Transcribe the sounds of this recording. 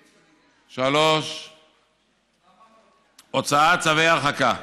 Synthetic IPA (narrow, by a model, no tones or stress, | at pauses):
ʃaloʃ | ot͡saat͡savejaχaka